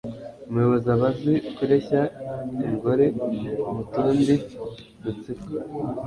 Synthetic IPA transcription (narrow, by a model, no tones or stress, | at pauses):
umujo̞βozaβafikiɾeçaiŋɡo̞ɾe̞mutuːndi | mut͡sika